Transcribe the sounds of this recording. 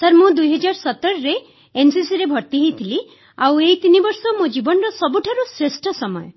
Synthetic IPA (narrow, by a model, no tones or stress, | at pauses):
sɔɾmũd̪ujɦɔd͡ʒaɾsɔt̪ːɔɾɔɾe | ensisiɾebʱɔɾt̪iɦejt̪ʰili | aweɦit̪inibɔɾsɔmũd͡ʒibɔnɔɾɔsɔbuʈʰaɾusɾesʈʰɔsɔmɔjɔ̰